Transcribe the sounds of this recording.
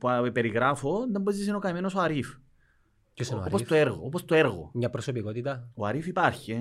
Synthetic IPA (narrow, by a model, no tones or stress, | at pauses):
puɐpeɾiɣɾɐfoðɐmbezis̬enokɐmenosoɐɾif | coseoopot̪oeɾɣoopost̪oeɾɣo̰mɲɐpɾosopikot̪it̪ɐoɐɾifipɐɾçi